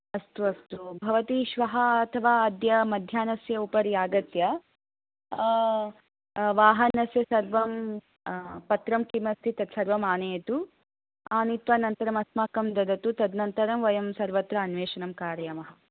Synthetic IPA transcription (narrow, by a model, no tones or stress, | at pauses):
ɐst̪uɐst̪ubʱɐʋɐt̪iːʃʋɐɦɐɐt̪ʰɐʋaːɐd̪jɐmɐd̪ʱjaːnɐsjɐupɐɾjaːɡɐt̪jɐ | ʋaːɦɐnɐsjɐsɐɾʋɐm | pɐt̪ɾɐmkimɐst̪ʰit̪ɐt̪sɐɾʋɐmaːneːt̪u | aːnit̪ʋaːnɐnt̪ɐɾɐmɐsmaːkɐmd̪ɐd̪ɐt̪ut̪ɐd̪nɐnt̪ɐɾɐmʋɐjɐmsɐɾʋɐt̪ɾɐːnʋeːʃɐnɐmkaːɾjɐmɐɦɐ̆